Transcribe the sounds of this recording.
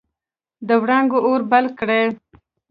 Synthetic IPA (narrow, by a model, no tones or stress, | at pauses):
d̪əwɽaŋɡoʔoɾbalkɽe